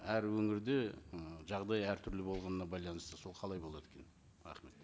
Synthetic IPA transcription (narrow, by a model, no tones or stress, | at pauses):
æɾwɵŋɪɾd̪e̞ʒɑʁd̪ɑjæɾt̪ʰʏɾlɪbo̞lˠʁɑnənɑbɑjlˠɑnəst̪əso̞lˠqʰɑlˠɑjbo̞lˠɑt̪ekʰʲen | ɾɑ̰χme̞t̪